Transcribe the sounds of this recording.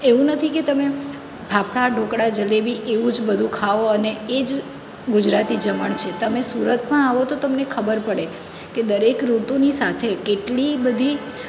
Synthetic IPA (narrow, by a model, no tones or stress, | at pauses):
eʋũnət̪ʰiket̪əme | bʱapʰɭaɖʱõkɽad͡ʒəlebiʔeʋũd͡ʒbəd̪ʱũkʰaʋoəneed͡ʒ | ɡʊd͡ʒɾat̪id͡ʒəməɳt͡ʃʰet̪əmesuɾət̪mãaʋot̪ot̪əmnekʰəbəɾpəɽe | ked̪əɾekɾut̪unisat̪ʰekeʈlibəd̪ʱi